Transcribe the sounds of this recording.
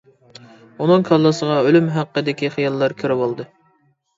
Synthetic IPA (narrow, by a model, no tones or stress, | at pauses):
unɨŋkʰɑlˠːɑsəʁɑølymɦæqːəd̪ɪkʲiχijɑlˠːɑɾkʲʰøɾɪbolˠd̪ɨ